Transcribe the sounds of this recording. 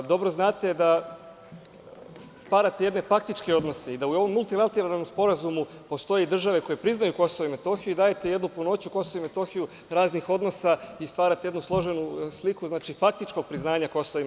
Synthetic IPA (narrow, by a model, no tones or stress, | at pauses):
d̪o̞bɾo̞znaːt̪e̞d̪a | st̪ʋaːɾat̪eje̞d̪ne̞fak̚t̪it͡ʃkeo̞d̪no̞se̞id̪aujo̞ʋo̞mːulˠt̪ilˠat̪eɾalˠlnomspo̞ɾazumu | po̞st̪o̞jeid̪r̩ʒaʋe̞ko̞je̞pɾiznajuko̞soʋoime̞t̪o̞xijuid̪aːjet̪e̞je̞d̪nupuno̞ːt͡ɕuko̞soʋoime̞t̪o̞xiju | ɾaːznixo̞d̪no̞saist̪ʋaːɾat̪eje̞d̪nuslˠo̞ʒenuslikuznaːt͡ʃifak̚t̪it͡ʃko̞ɡ̚pɾiznaːɲako̞soʋoi